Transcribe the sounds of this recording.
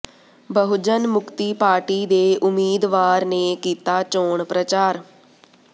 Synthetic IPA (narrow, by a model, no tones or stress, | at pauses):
bəɦʊd͡ʒənmʊkt̪iːpaːɾʈiːd̪eːʔʊmiːd̪ʋaːɾneːkiːt̪aːt͡ʃoːɳpɾət͡ʃaːɾ